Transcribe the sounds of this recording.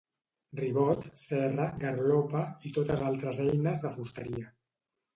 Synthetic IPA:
riβɔt̪sɛrəɣərlopəit̪ot̪əzalˠt̪ɾəzɛjnəzðəfust̪əɾiə

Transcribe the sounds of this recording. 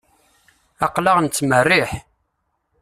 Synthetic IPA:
ɑqlɑʁnt͡sːmərːɪħ

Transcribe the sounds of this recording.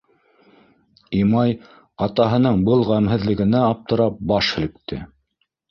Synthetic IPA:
imɑj | ɑt̪ɑɦɤ̆nɤɴbɤlˠʁæmɦɘ̆ðlɘ̆ɡɘ̆næɑp̚t̪ɤ̆ɾɑp̚bɑʃhɘ̆lɘ̆k̚t̪ːɘ̰

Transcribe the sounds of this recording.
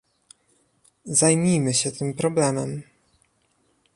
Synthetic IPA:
zajmʲijmɘɕɛt̪ɘmpɾɔblɛmɛm

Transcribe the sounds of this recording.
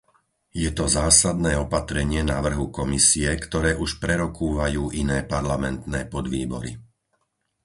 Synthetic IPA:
jɛt̪ɔzaːsad̪̚nɛːɔpat̪ɾɛɲɪɛnaʋr̩ɦukɔmisiɛkt̪ɔɾɛːʔuʃpɾɛɾɔkuːʋajuːʔinɛːpaɾlamɛnt̪nɛːpɔd̪ʋiːbɔ̰ɾḭ

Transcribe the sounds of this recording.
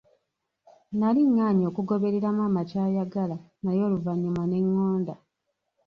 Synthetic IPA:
naliŋːaːɲo̞ːkuɡo̞βe̞ɾe̞ɾamaːmacaːjaɡala | najo̞ːluvaɲːumane̞ŋːo̞ːnda

